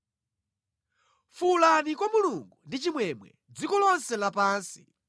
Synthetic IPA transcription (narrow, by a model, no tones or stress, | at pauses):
fulanikwamuluŋɡundit͡ʃimwɛmwɛ̰ | d͡zikɔlɔnsɛlapaːnsi